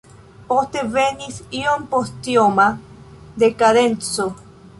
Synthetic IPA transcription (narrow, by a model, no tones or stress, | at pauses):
post̪evenisionpost̪joma | d̪ekaðent͡so